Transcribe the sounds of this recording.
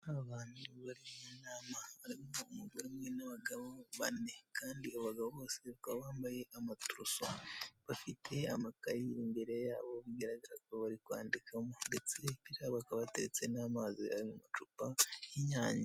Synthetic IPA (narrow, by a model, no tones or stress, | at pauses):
aβaːnuβaɾimunaːmaβaɾimoumuɡoɾimŋenaβaɡaβoβa̰ne̞kʰaːndiaβaɡaβoβaseβakaβaβaːmbaje̞ʔamatuɾusoβafitʰe̞amakaɾiɾimbe̞ɾe̞ja̰ːβo̞βiɡaɾaɡaɾakoβaɾikwa̰ːndikʰamodet͡seiɾaβakaβate̞ɾet͡se̞namazia̰ɾimumat͡ʃupajiɲaːɲa